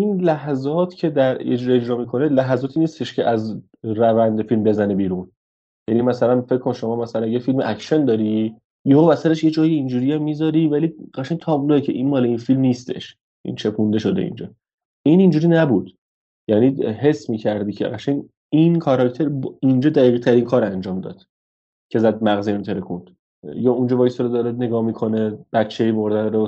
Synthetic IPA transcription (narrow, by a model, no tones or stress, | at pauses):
inlæɦæzɒːt̪ʰcʰe̞d̪æɾed͡ʒuɾed͡ʒɾɒːmiːkʰo̞nelæɦæzɒːt̪ʰiːniːst̪e̞ʃcʰeʔæz | ɾævænd̪efilmbe̞zænebiːɾun | jænimæsælænfecʰkʰːonʃomɒːmæsælænjefilmeʔækʃend̪ɒːɾi | jeɦovæsæɾeʃjed͡ʒɒːjeind͡ʒuːɾiæmːiːzɒːɾiːvæliɢæʃæɲt̪ʰɒːbloecʰe̞ʔinmɒːleinfilmniːst̪ʰe̞̰ʃ | ʔḭnt͡ʃʰe̞kʰund̪e̞ʃo̞d̪e̞̰ḭnd͡ʒɒː | inind͡ʒuɾiːnæbuːd̪̥ | jæniːɦe̞smiːcʰæɾd̪iːcʰḛɣæʃæɲ | inkʰɒɾɒkt̪ʰeɾbind͡ʒɒːd̪æʁiːʁt̪ʰæɾinkʰɒːɾænd͡ʒɒːmd̪ɒ̰ːd̪̥ | cʰe̞zæd̪̚mæɣzient̪ʰeɾekund̪̥ | jɒːund͡ʒɒbɒːjsoɾod̪ɒɾed̪ne̞ɡɒːmiːkʰo̞neb̥ætt͡ʃʰːeimoɾd̪ænɾo